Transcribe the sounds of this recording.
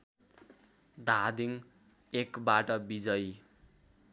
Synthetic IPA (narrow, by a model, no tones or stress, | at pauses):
d̪ʱad̪iŋ | ekbaʈʌbid͡zʌj